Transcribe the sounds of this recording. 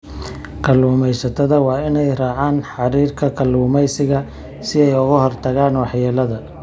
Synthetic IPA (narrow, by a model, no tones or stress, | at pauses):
kʰɐluːmɛjsɐt̪ʰɐðɐwɑːɪnɛjraːʕaːnħɑɾiːrkʰɐkʰɐluːmɛjsɪɣɐ | sɪɛjʊɣɐɦɔrt̪ʰɐɣaːnwɑħjɛːlɐðɐ